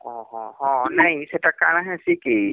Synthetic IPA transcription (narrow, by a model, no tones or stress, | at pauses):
ɔ̃ɦɔ̃ɦɔ̃nɐɦĩseʈakanãɦɛsiki